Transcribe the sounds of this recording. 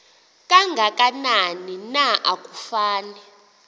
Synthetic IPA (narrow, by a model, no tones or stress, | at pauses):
kʼaŋɡʱakʼananinaʔakʼu̥faːnɛ